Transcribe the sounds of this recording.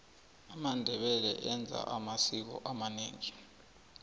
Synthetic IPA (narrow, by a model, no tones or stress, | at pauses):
amandʱɛɓɛlɛ̰ʔɛnd͡zʱa̰ʔamasik̬ɔ̰ʔamaneːŋi